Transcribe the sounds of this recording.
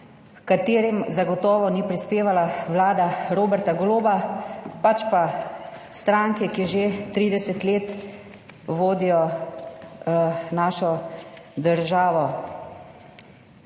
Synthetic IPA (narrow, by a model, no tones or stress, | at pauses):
kat̪eːɾimzaɡɔt̪ɔːʋɔnipɾispeːʋalawlaːd̪aɾoːbɛɾt̪aɡɔloːbapat͡ʃpast̪ɾaːŋkɛkiʒet̪ɾiːd̪ɛsɛt̪leːt̪ | ʋoːd̪ijɔ | naːʃɔd̪əɾʒaːʋɔ